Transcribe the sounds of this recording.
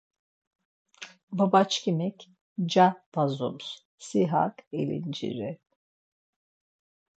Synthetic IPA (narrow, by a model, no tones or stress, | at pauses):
babat͡ʃkimɛc | d͡ʒabazums | siɦa̰kḛlḭnd͡ʒḭɾɛ